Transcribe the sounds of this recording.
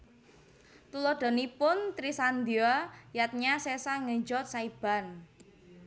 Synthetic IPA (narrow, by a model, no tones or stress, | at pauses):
t̪ulɔɖ̪̥a̤nipʊnt̪ɾisand̪iajat̪̚ɲasesaŋəɲd͡ʒɔt̪̚saib̥a̤n